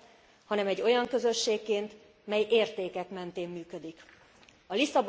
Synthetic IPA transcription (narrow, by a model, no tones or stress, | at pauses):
hɒnɛmɛɟːo̞jɒŋkø̞zø̞ʃːeːkːeːnt̪ | mɛjeːrt̪eːkɛkmɛnt̪eːmːyːkø̞d̪ik | ɒlisɒb